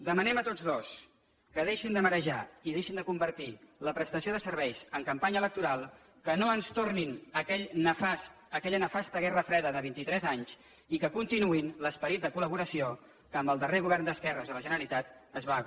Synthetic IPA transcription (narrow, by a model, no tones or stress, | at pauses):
d̪əmənɛmət̪ozðos | kəðeʃind̪əməɾəʒaiðeʃind̪əkumbərt̪iləpɾəst̪əsioðəsəɾβɛjz̥əŋkəmpaɲələk̚t̪uɾalˠ | kənoənst̪orninəkɛʎnəfast̪əkɛʎənəfast̪əɣɛrəfɾɛðəðəβint̪it̪ɾɛzaɲz | ikəkunt̪inuinləspəɾit̪̚d̪əkuləβ̞uɾəsio | kəmbəlˠd̪əreɣuβ̞ɛrnd̪əskɛrəzðələʒənəɾəlit̪at̪əzβa